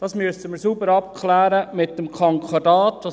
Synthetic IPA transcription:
d̥ɑːsmyəsəməːɾsubəɾɑpkʰlæːɾəmɪt̚dəmkʰɑŋkʰɑdɑːtʋɑ

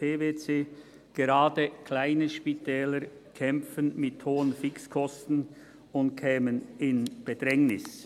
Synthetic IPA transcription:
pʰeːveːt͡seː | ɡ̥eʁaːdəkʰlaɪnəʃpitʰɛːləɾ | kʰɛmfənmɪthoːənfɪkskʰɔstn̩ | ʊnt̚kʰɛːmənɪnb̥ədʁɛŋnɪs

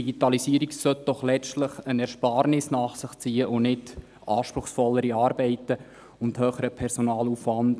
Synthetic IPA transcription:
iɡitɑlisiəɾiksœt̚d̥ɔχlɛt͡ʃtləχənɛɾʃpɑːɾnɪsnɑːχsɪχt͡siːəʔʊnɪt | ʔɑːʃpɾʊχsfɔlːəɾiɑːɾbɛɪtə | ʊnthøːχəɾəpʰɛɾsonɑːluːfʋɑnd

